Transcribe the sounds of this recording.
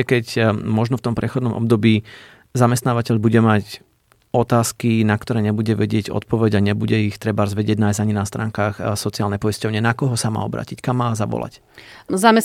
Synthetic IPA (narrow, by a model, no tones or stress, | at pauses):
ɛkɛcmɔʒnɔft̪ɔmpɾɛxɔd̪nɔmʔɔ̰b̚d̪ɔbiː | zamɛst̪naːʋacɛʎbuɟɛmac | ɔt̪aːskinakt̪ɔɾɛːɲɛbuɟɛʋɛɟɪɛɟɔ̰t̪̚pɔʋɛɟaɲɛbuɟɛixt̪ɾɛbaɾɔzʋɛɟɪɛɟnajzaɲinast̪ɾa̰ːŋkaːxsɔt͡siaːlnɛpɔiscɔʊɲɛnakɔɦɔsama̰ːɔbɾa̰ːcickamːaːzaʋɔ̰la̰c | zamɛ